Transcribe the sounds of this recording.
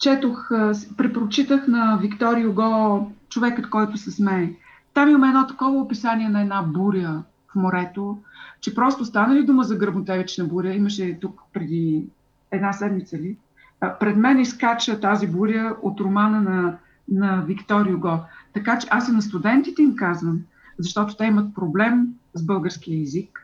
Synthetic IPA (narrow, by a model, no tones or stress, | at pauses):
t͡ʃɛt̪oxspɾɛpɾot͡ʃit̪əxnɐvikt̪ɔɾiʊɡɔt͡ʃovɛkət̪kɔjt̪ʊsɛsmɛli | t̪amiməmɛdnɔt̪ɐ̥kɔvəopisaniɛnɐɛd̪nabuɾʲjə | fmoɾɛt̪ot͡ʃɛpɾɔst̪ʊst̪anəlid̪uməzɐɡɾəbnʊt̪ɛvɛt͡ʃnɐbuɾʲəiməʃɛt̪ukpɾɛd̪i | ɛd̪nasɛd̪mit̪səli | pɾɛd̪mɛniskat͡ʃət̪azibuɾʲəot̪ɾomanənɐ | nɐvikt̪ɔɾijʊɡɔt̪ɐkat͡ʃɛʔasɛnɐst̪ud̪ɛnt̪it̪ɛimkazvəm | zɐʃt̪ɔt̪ʊ̥t̪ɛimət̪̚pɾoblɛmzbɤlˠɡəɾsk̟ijəɛzik